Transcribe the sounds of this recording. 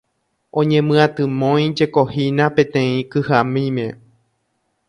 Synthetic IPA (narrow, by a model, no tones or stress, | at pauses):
õɲẽ̞mɨ̃ãt̪ɨmõj̃d͡ʒe̞kohinapẽ̞t̪ẽ̞ĩkɨhamĩmẽ̞